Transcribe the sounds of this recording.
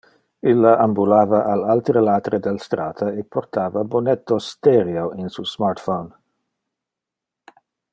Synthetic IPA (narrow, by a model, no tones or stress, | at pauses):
ilːaʔambulaːvɐʔalalt̪ɾəlaːt̪ɾed̪elst̪ɾaːt̪ʰɐepʰort̪ʰaːvabonɛt̪ːost̪ɛɾjoinsusmart̪fon